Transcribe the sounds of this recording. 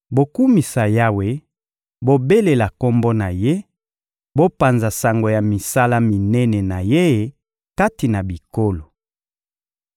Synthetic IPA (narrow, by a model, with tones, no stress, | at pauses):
bo˨ku˦mi˨sa˨ja˦we˨˦ | bo˦be˦le˨la˨ko˦mbo˦na˨je˦ | bo˦pa˨nza˨sa˨ŋɡo˨ja˨mi˨sa˦la˦mi˨nɛ˦nɛ˨na˨je˦˨ | ka˦ti˨na˨bi˨ko˦lo˨